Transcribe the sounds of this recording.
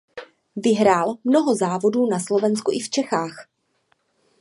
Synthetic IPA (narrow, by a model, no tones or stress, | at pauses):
vɪɦɾaːlmno̞ɦo̞zaːvo̞duːnaslo̞vɛnskuʔɪft͡ʃɛxaːx